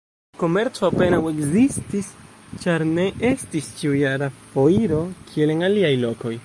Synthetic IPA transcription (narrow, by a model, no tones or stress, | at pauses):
ko̞me̞ɾt͡so̞ape̞nawe̞kzistis | t͡ʃaɾne̞ʔe̞stist͡ʃiujaɾafo̞iɾo̞kʰie̞le̞naliajlo̞ko̞j